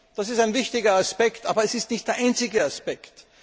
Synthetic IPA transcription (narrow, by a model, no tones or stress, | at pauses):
d̥asɪstæɪnvɪçtɪɡɐaspɛktʔa̰ːbɐɛsɪstnɪçt̚d̥eːɐʔãɪnt͡sɪɡəaspɛkt